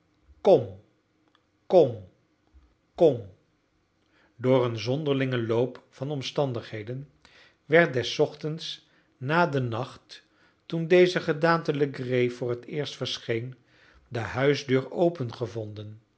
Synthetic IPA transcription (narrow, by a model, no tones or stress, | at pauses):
kɔm | kɔm | kɔm | dʊːrənzɔndəɹlɪŋəlowpfɑnɔmstɑndəχɦejdən | ʋɛɹt̚dɛsːɔχtəns | naːdənɑχtː | undejzəχədaːntələɡrejvʊːɹətɪːɹstfəɹsχejn | dəɦœɥzdøːɹowpənχəvɔndən